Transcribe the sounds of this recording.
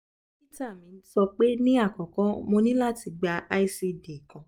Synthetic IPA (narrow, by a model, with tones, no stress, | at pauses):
i˦ta˦˨mĩ˨˧˦sɔ˧k͡pe˦nĩ˦a˦˨kɔ̃˨kɔ̃˨˦mo˧nĩ˦la˦˨ti˧ɡ͡ba˧ʔa˦i˦si˧de˨kɔ̃˨